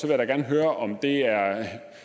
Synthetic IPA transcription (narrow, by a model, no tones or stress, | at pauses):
sɒʋe̝jaɾɑɡ̥æɐnəɦøːɐʔɒ̽md̥e̝æɐ